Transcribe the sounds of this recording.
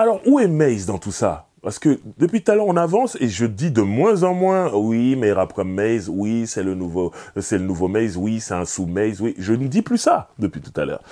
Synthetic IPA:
alɔʁuɛmɛjzd̪ɑ̃t̪usa̰ | paʁsə̥kəd̪əpɥit̪ut̪alœʁɔ̃navɑ̃seʒəd̪id̪əmwɛ̃zɑ̃mwɛ̃wimɛʁapkɛmɛjzwisɛlənuvosɛlənuvomɛjzwisɛt̪ɛ̃sumɛjzwiʒənəd̪iplysad̪əpɥit̪u̥t̪alœ̰ːʁ

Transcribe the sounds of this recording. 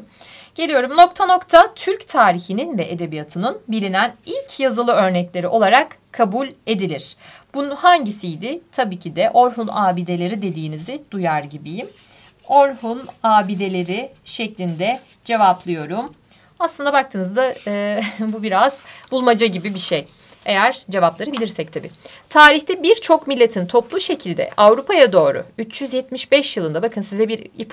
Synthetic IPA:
ɟ̥e̞lʲijo̞ɾumno̞k̚t̪ʰano̞kt̪ʰat̪ʰyɾct̪ʰaːɾiçininvɛʔed̪e̞bijat̪ʰɯnɯnbilʲinænilʲcʰjazɯlˠɯø̞ɾnɛclʲe̞ɾiʔo̞lˠaɾakkʰːabulʲe̞d̪ilʲiɾ̥b̥unhaɲɟisijd̪ɪt̪ʰabiːcʰid̪ɛʔo̞ɾɦunaːbid̪e̞lʲe̞ɾid̪e̞d̪iːnizɪd̪̥ujaɾɟibijim | o̞ɾhunaːbid̪e̞lʲeɾɪʃɛclʲind̪ɛ | d͡ʒe̞vaplˠɯjo̞ɾum | aslˠɯnd̪abak̚t̪ʰɯːnɯzd̪aː | bubiɾaz̥bulˠmad͡ʒaɟibibiʃej | e̞jæɾ̥d͡ʒe̞vaplˠaɾɯbilʲiɾsɛc̚t̪ʰabḭː | t̪ʰaːɾiçt̪ʰɛbiɾt͡ʃʰo̞kmilʲːet̪ʰint̪ʰo̞plˠuʃe̞cʰilʲd̪ɛ̰ʔavɾupʰajad̪o̞ːɾṵyt͡ʃjyzjɛt̪miʃbɛʃjɯlˠɯnd̪abakʰɯnsizɛbiɾip

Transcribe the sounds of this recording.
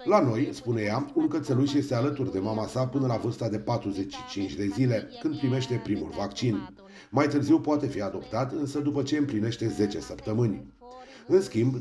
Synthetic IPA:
lano̞jspune̞jaunkət̪seluʃje̞st̪ealət̪urd̪e̞mamasapɨnəlavɨrst̪ad̪e̞pat̪ɾuze̞t͡ʃʲʃi̥t͡ʃint͡ʃʲd̪e̞zile̞kɨnd̪̚pɾime̞ʃt̪e̞pɾimṵlvakt͡ʃin | majt̪ɨrziwpoat̪e̞fiad̪o̞pt̪at̪ɨnsəd̪upət͡ʃe̞ɨmpline̞ʃt̪e̞ze̞t͡ʃe̞səpt̪əmɨnʲ | ɨnskʲimb

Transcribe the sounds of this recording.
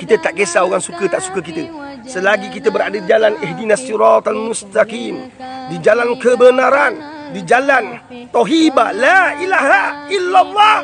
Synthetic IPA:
kit̪ət̪aʔkesaoɣaŋsukət̪aʔsu̥kəkit̪ə | səlaɡikit̪əbəɾadədid͡ʒalanɛɦdinasiɾɑt̪almust̪akim | did͡ʒalankəbənaɾan | did͡ʒalan | t̪ɔɦibalaʔilaɦaʔilːalˤːɑh

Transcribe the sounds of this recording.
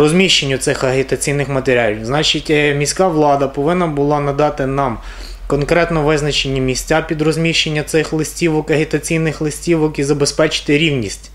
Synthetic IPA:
rɔzʲmʲiʃt͡ʃenʲːʊt̪sɪxɐɦit̪ɐt͡sʲijnɪxmɐt̪eɾʲalʲiznɑt͡ʃitʲmʲisʲkɑʋlˠɑd̪ɐpɔʋɪnːɐbʊlˠɑnɐd̪ɑt̪ɪnɑm | kɔnkɾɛt̪nɔʋɪznɐt͡ʃenʲːɐmʲisʲt͡sʲapʲid̪rɔzʲmʲiʃt͡ʃenʲːɐt̪sɪxlˠɪsʲtʲiʋɔkɐɦʲit̪ɐt͡sʲijnɪxlˠɪsʲtʲiʋɔkizɐbespɛt͡ʃɪ̥t̪ɪɾʲiwnʲisʲtʲ

